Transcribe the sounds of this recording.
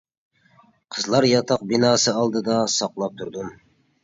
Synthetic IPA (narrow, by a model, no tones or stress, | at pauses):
qʰəzlˠɑɾjɑt̪ʰɑq̚binɑːsɨɑlˠd̪ɨd̪ɑsɑqlˠɑp̚t̪ʰuɾd̪um